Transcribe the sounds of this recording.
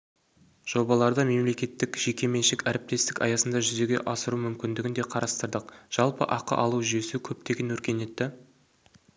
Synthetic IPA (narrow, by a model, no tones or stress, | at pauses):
ʒ̥o̞bɑlˠɑɾd̪əme̞mle̞kʲe̞t̪ːɪkʒ̥e̞kʲe̞me̞nʃɪkʲæɾɪp̚t̪e̞st̪ɪkɑ̰jɑsənd̪ɑʒʏze̞ɡʲe̞̰ʔɑsəɾumʏmkʲɪnd̪ɪɡʲɪnd̪e̞qʰɑɾɑst̪əɾd̪əqʒ̥ɑlˠpə̰ʔɑqə̰ʔɑlˠuwʒʏje̞sɪkʲʰɵp̚t̪e̞ɡʲenwɵɾkʲe̞ne̞t̪ːɪ